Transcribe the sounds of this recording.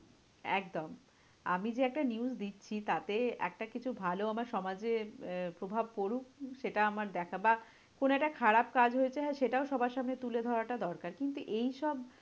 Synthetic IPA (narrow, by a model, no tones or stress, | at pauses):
ɛ̰k̚d̪om | a̰mid͡ʑeɛk̚ʈaniusd̪itːɕʰit̪at̪eɛ̰k̚ʈakit͡ɕʰubʱaloamaɾʃɔmad͡ʑepɾobʱab̚koɾuk̚ʃeʈaamaɾd̪ɛkʰaba | konoɛk̚ʈakʰaɾab̚kad͡ʑʱɦoet͡ɕʰeɦɛeʃeʈaoʃɔbʱaɾʃamnet̪uled̪ʱɔɾaʈad̪ɔɾkaɾkint̪uʔejʃɔb